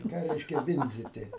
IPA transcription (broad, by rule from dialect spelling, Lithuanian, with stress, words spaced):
ɪ ˈkɑː ˈrʲɛɪʃʲkʲɛ ˈʋʲɪnʲd͡zʲɪtʲɪ